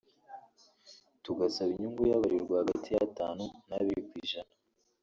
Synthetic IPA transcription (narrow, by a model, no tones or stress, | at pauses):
tuɡasaβiɲuŋɡujaβaɾiɾɡwahaɡatʰijataːnunaβiɾikwiːʒana